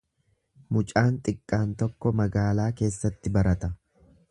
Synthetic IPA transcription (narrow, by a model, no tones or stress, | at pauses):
mʊt͡ʃʼaːnt̪ʼɪkʼːaːnt̪ɔkːɔmɐɡaːlaːke̞ːsːɐt̪ːɪbɐɾɐt̪ɐ